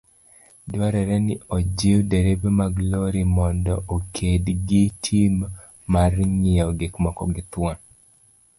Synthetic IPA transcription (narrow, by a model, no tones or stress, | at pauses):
dwaɾɛɾɛnɪod͡ʒeodeɾebemaɡloɾimɔndɔʔokʰedɡitʰimː | arɲɪɔɡekmakɔ̰ɡɪt̪wa